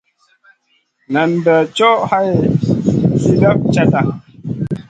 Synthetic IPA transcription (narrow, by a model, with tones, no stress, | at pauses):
nə˨m̩˨bə˨t͡ʃɔ˦ʔha˦jee˨ | si˦da˦p̚t͡ʃa˦ta˦˨